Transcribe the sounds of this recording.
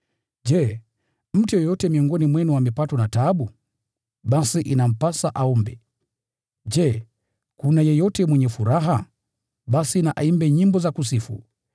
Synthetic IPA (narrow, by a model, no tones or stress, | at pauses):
d͡ʒɛ | m̩tijɔjɔtɛmiɔŋɡɔnimwɛnuwamipatɔnataɓu | ɓasiʔinam̩pasaʔaumbɛ | d͡ʒɛ | kunajɛjɔtɛmwɛɲɛfuɾaɦa | ɓasinaʔaimbɛɲimbɔzakusifṵ